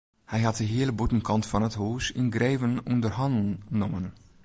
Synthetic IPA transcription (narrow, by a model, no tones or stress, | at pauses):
hɛjɦɑt̚dəɦɪːləbutənkɑntfɑnətɦoːsɪnɡrɛːvənɔndərɦɑndnɔmən